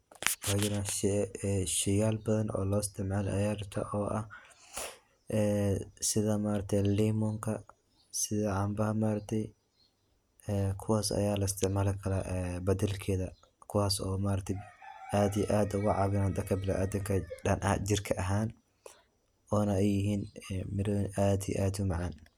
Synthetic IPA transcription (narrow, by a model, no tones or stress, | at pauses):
wajɪnɐɛʃɪjaːlbɐðɐnʔɔ̰ːlɔːɪst̪ʰɪʕmaːlɐjaːɾɐt̪ʰɐ̰ʔɔːʔɐh | ʔɛːsɪðɐmaːɾɐt̪ʰɛjliːmɔŋkʰɐ | sɪðɐʕɑmbɐhɐmaːɾɐt̪ʰɛj | ɛkʰʊwaːsɐ̰jaːlɐɪst̪ʰɪʕmaːlɛkʰɐlaʔɛbɐd̪ɛlkʰɛːðɐ | kʰʊwaːsɔ̰ːmaːɾɐkt̪ʰɛjʔaːd̪ijɐʔaːd̪ɐwɑʕɑβɪnaːnd̪ɐkʰɐbɪla̰ʔɐd̪ɪŋkʰɐɐnʔɐ̰d͡ʒɪrkʰɐʔɐɦaːn | ʔɔːnɐɛjɪɦiːnmɪɾwnʔaːd̪ij̰ʔaːd̪ʊmɑʕɑn